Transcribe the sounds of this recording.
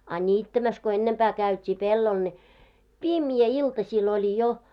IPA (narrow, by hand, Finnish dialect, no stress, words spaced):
ɑ nʲiːtːæmæs ko enːempæː kæytʲiː pelːol ne pimjæ iltɑsʲiːl olʲi jo